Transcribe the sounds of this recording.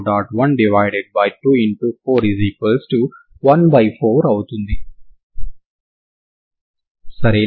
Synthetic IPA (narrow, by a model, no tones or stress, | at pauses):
ɖaːʈʋɐnɖiʋajɖeɖ̚bɐjʈuːiɳʈupʰoːɾiziːkɐlsʈu | ʋɐnbɐjpʰoːɾɐwut̪und̪i | sɐɾeː